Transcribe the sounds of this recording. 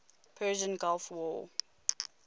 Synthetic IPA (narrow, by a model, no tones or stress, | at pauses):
pʰɜːʒə̃nɡɔlfwɔ̰